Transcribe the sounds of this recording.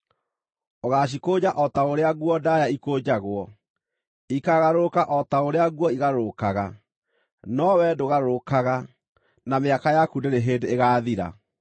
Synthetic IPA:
oɣaːɕ̬ikod͡ʑaʔɔtaoɾeaɣwɔdajaikoːd͡ʑaɣwɔ | ikaɣaɾokaʔɔtaoɾeaɣwɔiɣaɾokaɣa | nɔwɛdoɣaɾokaɣa | nameakajakundeɾeɦedeːɣaːðiɾa̰

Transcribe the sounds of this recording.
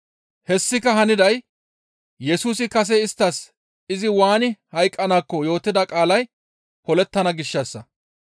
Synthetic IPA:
hɛsːɪkːɐhɐnɪd̪ɐj | jɛsuːsɪkɐs̬ɛɪst̪ːɐs | ɪzɪwaːnɪhɐjkʼːɐnaːkːɔjo̞ːt̪ːɪd̪ɐkʼaːlɐj | hɔlɛt̪ːɐnɐɡɪʃːɐsːɐ

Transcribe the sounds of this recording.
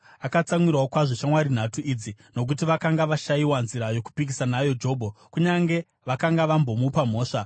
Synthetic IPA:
akat͡samwirwawokwaʐeʃamwaɾin̤atuid͡zino̞k̬ut̬iʋakaŋɡaʋaʃajiwanziɾajo̞ku̥pik̬isanajo̞d͡ʒo̞ːbʱokuɲaŋɡe̞ | ʋakaŋɡaʋambo̞mupam̤o̞ːʂa

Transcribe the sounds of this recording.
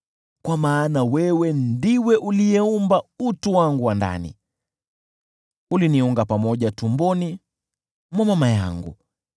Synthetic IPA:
kwamaːnawɛwɛndiwɛʔulijɛumbautuwaŋɡuwanda̰nḭ | uliniuŋɡapamɔʄatumbɔni | mwamamaja̰ŋɡṵ

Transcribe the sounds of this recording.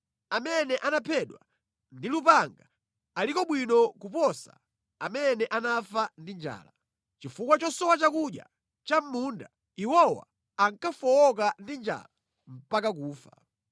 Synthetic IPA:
amɛnɛʔanapʰɛɗwa̰ | ndilupaŋɡa | alikɔɓwinɔkupɔsa̰ | amɛnɛʔanafandind͡ʒa̰ːla | t͡ʃifukwat͡ʃɔsɔwat͡ʃakuɗja̰ | t͡ʃam̩munda | iwɔwa̰ː | ŋkafɔwɔkandind͡ʒa̰la | m̩pakak̬uːfa̰

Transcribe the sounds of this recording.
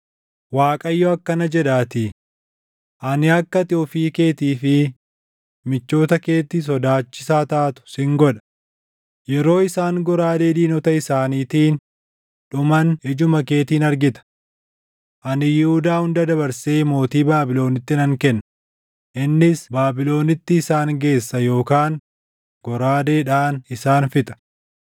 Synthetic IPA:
waːkʼɐjːɔɐkːɐnɐd͡ʒɛᶑaːt̪ɪ | ʔɐnɪɐkːɐt̪ɪɔfiːke̞ːt̪iːfɪ | mɪt͡ʃːo̞ːt̪ɐke̞ːt̪ːɪs̬ɔd̪aːt͡ʃːɪ̥saːt̪aːt̪ʊ̥sɪŋɡɔᶑɐ̥ | jɛɾo̞ːɪsaːŋɡɔɾaːd̪eːd̪iːnɔt̪ɐɪsaːniːt̪iːn | ᶑʊmɐnɛd͡ʒʊmɐke̞ːt̪iːnɐɾɡɪt̪ɐ̥ | ʔɐnɪjɪhʊd̪aːhʊnd̪ɐd̪ɐbɐɾseːmo̞ːt̪iːbaːbɪlo̞ːnɪt̪ːɪnɐŋkɛnːɐ | ʔɪnːɪsbaːbɪlo̞ːnɪt̪ːɪːsaːŋɡe̞ːsːɐjo̞ːkaːŋ | ɡ̥ɔɾaːd̪e̞ːᶑaːnɪsaːnfɪt̪ʼɐ̥

